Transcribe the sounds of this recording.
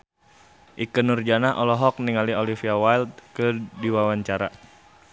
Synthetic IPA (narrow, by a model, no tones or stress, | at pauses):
ʔikənurd͡ʒanaʔɔlɔɦɔk̚niŋaliɔlifiawajld̪̚kədiwawaɲt͡ʃaɾa̰